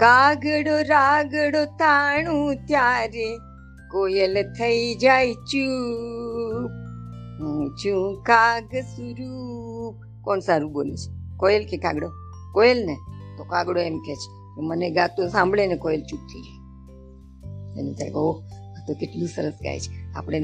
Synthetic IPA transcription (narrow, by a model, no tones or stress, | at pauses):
kaɡɽoɾaɡɽot̪aɽ̃ũt̪jaɾe | koelt̪ʰəid͡ʒajt͡ʃu | p̚ | t͡ʃũkaɡsuɾup̚ | kɔɳsaɾubolḛt͡ʃʰe̥koelkekãɡɽo | koelnet̪okaɡɽoemket͡ʃʰe̥ | k̪oməneɡat̪osãmbɭenekoelt͡ʃup̚t̪ʰiid͡ʒa | ḛnut̪ʰa̰ɡoo | t̪okɪʈlũsəɾəsɡa̰jt͡ʃʰe̥a̰pɽe